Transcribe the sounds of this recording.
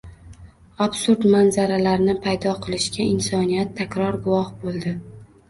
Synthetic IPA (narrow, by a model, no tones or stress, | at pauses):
absʊɾd̪manzaɾalaɾnɪpʰajd̪ɒqʰɨlˠɪʃkʲaɪnsɒnijat̪ʰːakʲɾɒɾɡʊwɒhbolˠd̪ɪ